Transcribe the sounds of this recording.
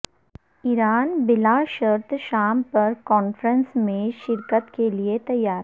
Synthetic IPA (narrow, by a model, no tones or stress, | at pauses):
ɪɾaːnbɪlaːʃəɾt̪ʰʃaːmpɐɾkɔːnfɾə̃nsmẽʃɪɾkət̪keliet̪ɐjːaːɾ